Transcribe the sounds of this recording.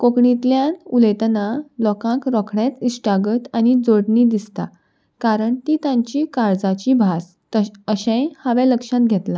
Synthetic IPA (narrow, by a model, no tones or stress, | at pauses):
kokɳit̪ljãnuləjt̪nalɔkãkɾɔkʰɳɛt̪isʈaɡət̪anid͡zoɽɳid̪ist̪a̰ | kaɾəɳt̪it̪ãɲt͡ɕiːkaɾd͡zat͡ɕibʱas | t̪əəɕẽjhaʋɛləkʂãt̪̚ɡʱɛt̪la